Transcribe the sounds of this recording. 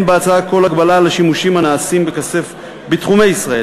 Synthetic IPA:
mbeat͡saako̞laɡbalalaʃimuʃimhanaːsimbekase̞f | bitχumejisʁae

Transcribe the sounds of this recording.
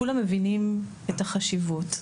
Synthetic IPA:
ulamːevinim | etaχaʃivut

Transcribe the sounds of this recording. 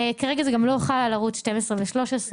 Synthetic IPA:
kaʁeɡazeɡamlojoχalalaʁut͡sʃtemesʁeveʃlo̞ʃesʁe

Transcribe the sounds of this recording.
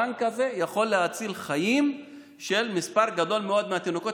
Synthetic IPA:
aŋkaze̞jaχo̞lːehat͡silχajim | ʃe̞lmispaʁɡad̪o̞lmeo̞d̪meat̪inoko̞t

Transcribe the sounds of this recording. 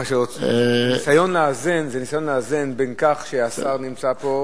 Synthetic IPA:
aʃeot͡snisajo̞nlaːzenzenisajo̞nlaːzenbenkaχʃeasaʁnimt͡sapo̞

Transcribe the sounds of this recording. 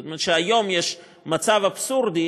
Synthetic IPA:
tmɛʃəajɔmjɛʃ | mat͡savapsuɾd̪i

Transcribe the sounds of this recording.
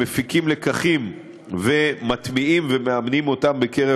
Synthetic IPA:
efikimle̞kaχim | ve̞mat̪miimvemeamnimo̞tambeke̞ʁe

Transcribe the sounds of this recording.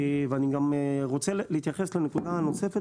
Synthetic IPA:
veaniɡamʁo̞t͡selehit̪jaχe̞slenekud̪aano̞se̞fe

